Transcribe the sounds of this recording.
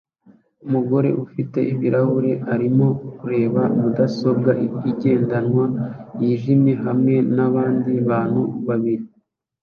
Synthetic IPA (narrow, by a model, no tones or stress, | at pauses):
umuɡo̞ɾe̞̰ʔufite̞ʔiβiɾʔahuɾe̞aɾimo̞kuɾe̞ːβamudaso̞b̚ɡaʔiɟe̞ːndanwajiːʒimje̞ɦamŋe̞naβaːndiβaːn̥huβaβiɾi